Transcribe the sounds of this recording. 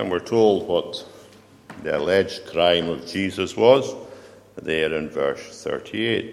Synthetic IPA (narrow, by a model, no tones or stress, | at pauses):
ə̰̃nwiɹtʰolˠd̚wɔʔ | ðiə̰lˠɛd͡ʒkʰɹ̥ãɪ̃məvd͡ʒizəswɔz | ðəɹɪ̃nvɜ̰˞sθɜ̰˞ʔʰieʔ̚